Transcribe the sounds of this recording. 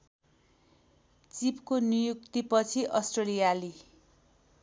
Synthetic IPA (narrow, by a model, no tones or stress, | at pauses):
t͡sipkonijuk̚t̪ipʌt͡sʰiʔʌsʈrelijali